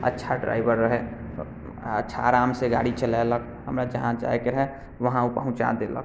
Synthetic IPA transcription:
ə̰tːʃʰaɖɾa̰ːɪbəɾːəɦe | ətːʃʰa̰ːɾaːmseɡa̰ːɽit͡ʃəlalək̚ | ɦəmɾad͡ʒəɦãd͡ʒa̰ekeɾəɦe | ʋəɦãupəɦʊ̃t͡ʃa̰d̪elə̰k

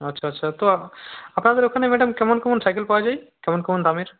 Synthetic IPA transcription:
ətːʃʰaːtːʃʰat̪oapnad̪eɾokʰanemɛɖəmkɛmɔnkɛmɔnsajkelpawad͡ʒajkɛmonkɛmont̪amiɾ

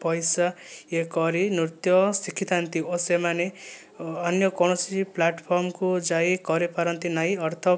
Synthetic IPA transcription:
pʌjsaekʌɾinut̪jʌsikʰːit̪ant̪iosemaneː | njʌkɔɽ̃ʌsiiplaʈpʰɔɾmkud͡zaikʌɾepaɾʌnt̪inajʌɾt̪ʰʌ

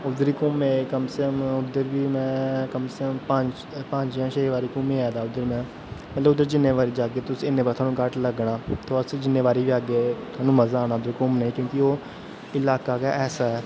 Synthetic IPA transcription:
ʊd̪əɾiːkʊmeːkəmsəkəmʊd̪əɾbiːmɛ̃ːkəmskəmpəd͡ʒ | pəɲd͡ʒjãːʃəʋaːɾiːkʊmẽːaːd̪aːʊd̪ːəɾmɛ̃ː | mət̪ləbʊd̪ːəɾd͡ʒɪnːeːʋaːɾiːd͡ʒaːɡeːt̪ʊsiːɪnːeːpaɾt̪ʰaːnũːkəʈləɡɳaːt̪oːəsd͡ʒɪneːʋaːɾiːbiaːɡeːt̪ʰaːnũːməzaːaːñaːʊd̪əɾkʊmnəĩːkjõːkɪoː | ɪlaːkaːkaːʔɛːsaːɛː

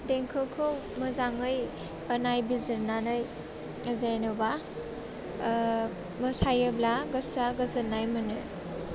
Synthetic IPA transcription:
deŋkʰɯkʰɯw | mɐzaŋɯj | ɐnajbizɯɾnanɯj | zajnɯba | mɐsajeblaɡɐsaɡɐzɯnajmɯnɯ

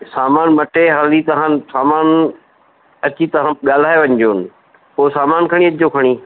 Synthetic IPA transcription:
saːmaːnmɐʈeɦaːlit̪ɐɦãnsaːmaːn | ɐt͡ɕit̪ɐɦãɠaːl̤aːeʋɐ̃ɲd͡ʑoːnɪ̆ | poːsaːmaːnkʰɐɽ̃iɐt͡ɕd͡ʑokʰɐɽ̃iː

